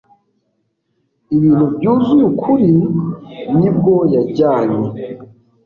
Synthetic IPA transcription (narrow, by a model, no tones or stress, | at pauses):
iβinubɟuːzujukʰuɾi | nib̚ɡojaɟaːɲe